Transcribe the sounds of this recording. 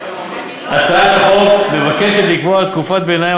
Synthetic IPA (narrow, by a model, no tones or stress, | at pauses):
at͡saat̪aχokme̞vake̞ʃet̪likvoaat̪̚kufot̪̚benaj